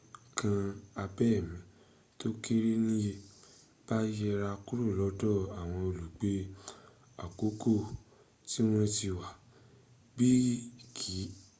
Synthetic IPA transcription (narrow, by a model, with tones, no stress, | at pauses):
kʰã˧a˧bɛ˦˨mĩ˨˦ | to˦ki˦ɾi˦nĩ˦je˧ | b̥a˦jɛ˧ɾa˧ku˦ɾu˦˨lɔ˨˦dɔ˦˨a˨w̃ɔ̃˧o˨lu˨ɡ͡be˨˦ | a̰˨ko˨˦ko˦˨ | ti˦w̃ɔ̃˧ti˧wa˨ | bi˦kʰi˨˦